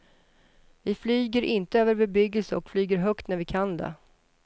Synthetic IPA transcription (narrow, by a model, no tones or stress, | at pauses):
vɪflyːɡəɾʔɪnt̪əøːvəɾbɛbʏɡːəlsəɔkflyːɡəɾɦœkt̪næɾvɪkʰand̪ɛ̰